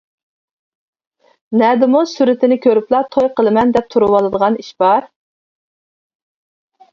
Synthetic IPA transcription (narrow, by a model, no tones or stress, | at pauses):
nɛd̪ɪmusyɾɪt̪ʰɪnɪkʲʰøɾyplˠɑt̪ʰojqəlˠɨmɛnd̪ɛp̚t̪ʰuɾuwɑlˠɨd̪əʁɑniʃb̥ɑɾ